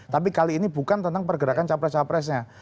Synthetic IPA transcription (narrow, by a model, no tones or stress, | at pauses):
t̪apikaliːnibukant̪ənt̪aŋpərɡəɾakant͡ʃapɾɛst͡ʃapɾɛs̬ɲa